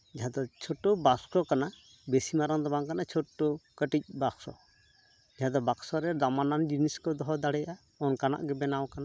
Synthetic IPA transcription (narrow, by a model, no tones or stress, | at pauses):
d͡ʒaɦad̪ɔt͡ʃʰɔʈːobaskɾɔkana | besimaɾaŋd̪ɔbaŋkanat͡ʃʰɔʈːokəʈic̚baksɔ̰ | d͡ʒaɦad̪ɔbaksɔɾɛdamanand͡ʒiniskɔd̪ɔɦɔd̪aɽɛja | ɔnkana̰ʔɡɛbɛnawkana